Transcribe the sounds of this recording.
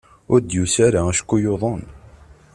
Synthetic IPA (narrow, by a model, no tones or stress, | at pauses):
ʊɾd̪jusaɾaæʃkːujoðˤən